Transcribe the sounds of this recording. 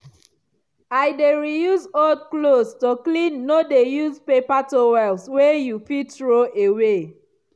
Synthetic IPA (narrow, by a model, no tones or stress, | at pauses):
ajdeɹijuzodklostoklĩnːodejuzpepatowɛlswejufitɹoewe